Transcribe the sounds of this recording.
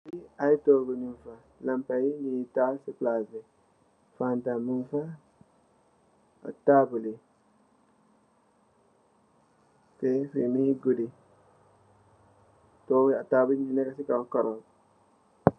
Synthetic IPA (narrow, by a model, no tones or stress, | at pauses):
biaitoɾɡunimfa | lampajinitasɪplaːsɪ | fantamunfa | a̰taːbʊlɪ | tefḭmiɡudi | tɔwɪataːbʊlinɛkasɪkakɔɾɔ